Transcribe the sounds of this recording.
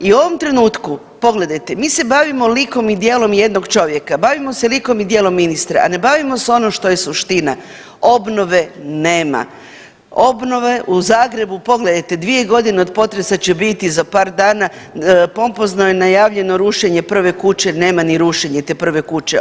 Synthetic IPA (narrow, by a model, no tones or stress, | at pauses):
iuo̞ʋo̞mt̪ɾe̞nuːt̪ku | po̞ɡle̞d̪ajt̪e̞miːse̞baʋimo̞liko̞mid̪je̞ːlˠo̞mje̞d̪noɡt͡ʃo̞ʋjekabaʋimo̞seliko̞mid̪jeːlˠo̞mːinist̪ɾa̰a̰ne̞baʋimo̞seo̞noʃt̪o̞je̞suʃt̪ina | o̞bno̞ʋe̞ne̞ːma̰ | o̞bno̞ʋe̞ʔuzaːɡɾe̞bupo̞ɡled̪ajt̪e̞d̪ʋie̞ɡo̞d̪ineo̞d̪po̞t̪ɾe̞sat͡ɕebit̪izapaːɾd̪aːna | po̞mpoznojenajaːʋʎe̞no̞ɾuʃeɲe̞pr̩ʋe̞kut͡ɕe̞ne̞ːmaniɾuʃeɲet̪eːpr̩ʋe̞kut͡ɕḛ